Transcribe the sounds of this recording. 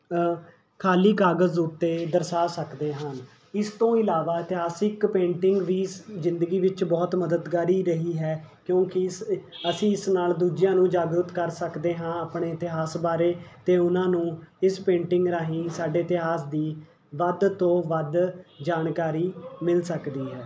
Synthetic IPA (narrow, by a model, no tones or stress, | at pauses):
kʰaːliːkaːɡəzʊt̪ːeːd̪əɾsaːsəkd̪eːɦən | ɪst̪õːɪlaːʋaːɪt̪ɪɦaːsɪkpẽːɳʈɪŋɡʋiːzɪnd̪əɡiːʋɪt͡ʃbɔːt̪məd̪əd̪ɡaːɾiːɾəɦiːɦɛːkjõːkɪəsĩːɪsnaːld̪uːd͡ʒɪjãːnũːd͡ʒaːɡɾʊt̪kəɾsəkd̪eːɦãːaːpɳeːɪt̪ɪɦaːsbaːɾeːt̪eːʊnãːnũːɪspẽːɳʈɪŋɡɾaːɦĩːsaːɖeːɪt̪ɪɦaːsd̪iː | ʋəd̪t̪õːʋəd̪d͡ʒaːnkaːɾiːmɪlsəkd̪iːɦɛː